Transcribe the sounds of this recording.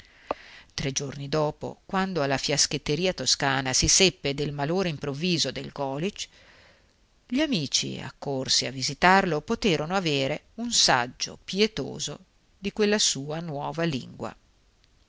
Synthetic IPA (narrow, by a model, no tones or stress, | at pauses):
t̪ɾed͡ʒornid̪ɔːpo̰kwand̪oalːafjasket̪ːeɾiːat̪oskaːnasisepːed̪elmaloːɾeimpɾovːiːzod̪elɡɔːlit͡ʃ | ʎiamiːt͡ʃḭa̰kːorsiavːizit̪arlopot̪eːɾonoaveːɾe | unsa̰d͡ʒːo̰pjet̪o̰ːzo̰ | d̪ikwelːasuːanwɔːvalḭŋɡwa̰